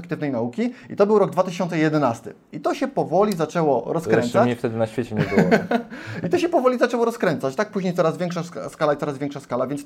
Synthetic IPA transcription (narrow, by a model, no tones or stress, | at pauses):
k̚t̪ɘvnɛjnaukʲiḭt̪ɔbɘwɾɔɡd̪vat̪ɘɕɔntsɛjɛd̪ɛnast̪ɘ̰ | it̪ɔɕɛpɔvɔlʲizat͡ʂɛwɔɾɔskɾɛnaɲɛft̪ɛd̪ɘnaɕfʲet͡ɕɛɲɛbɘwɔ | it̪ɔɕɛpɔvɔlʲizat͡ʂɛwɔɾɔskɾɛnt̪sat͡ɕt̪ak̚puʑɲejt̪sɔɾazvʲjɛŋkʂasskalait̪ɔɾazvjɛŋkʂaskalavʲjɛnt̪s